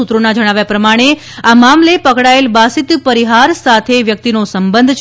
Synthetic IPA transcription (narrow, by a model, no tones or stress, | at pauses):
ut̪ɾonad͡ʒəɽ̃aʋjapɾəmaɽ̃e | amamlepəkɽaelbasit̪pəɾiɦaɾsat̪ʰeʋjək̚t̪inosəmbənd̪ʱt͡ʃ